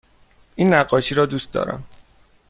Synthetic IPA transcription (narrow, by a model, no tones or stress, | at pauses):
ʔiːnːæɢːɒːʃiːɾɒːd̪uːst̪d̪ɒ̰ːɾæ̰m